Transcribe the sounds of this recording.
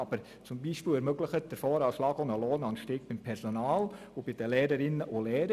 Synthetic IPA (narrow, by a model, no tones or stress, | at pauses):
ɑb̥əɾ | t͡sʊmbiːʃpɪːlɛɾmøɡləχət̚d̥əɾfɔːɾalɑːɡonəloːnɑnʃtɪːk̚b̥ɪmpʰɛɾsonɑːl | obɪd̥əlɛːɾəɾɪnːəʔʊlɛːɾə